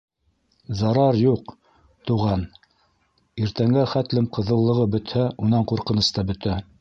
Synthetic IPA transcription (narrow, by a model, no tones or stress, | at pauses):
zɑɾɑɾjuq | t̪uʁɑn | iɾt̪æŋɡæχæt̪lɘmqɤ̆ðɤ̆lˠːɤ̆ʁɤbɵ̆t̪hæunɑɴquɾqɤ̆nɤ̆st̪ɑbɵ̆t̪æ